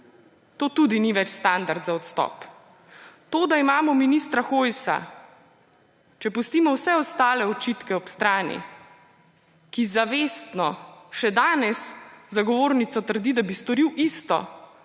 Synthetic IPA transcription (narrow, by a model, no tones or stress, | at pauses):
t̪oːt̪ud̪iniʋɛt͡ʃst̪and̪aɾd̪zaɔt̪st̪ɔ̰p | t̪oːd̪aimaːmɔminist̪ɾaxojsa̰ | t͡ʃɛpust̪iːmɔwsɛɔst̪aːlɛɔt͡ʃit̪kɛɔpst̪ɾaːnḭ | kizaʋeːst̪nɔʃɛd̪aːnɛszaɡɔʋoːɾnit̪sɔt̪əɾd̪id̪abist̪ɔɾiwʔist̪ɔ̰